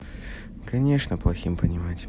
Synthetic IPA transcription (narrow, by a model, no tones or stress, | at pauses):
kɐnʲe̞ʂnəplˠɐxʲimpənʲɪmatʲ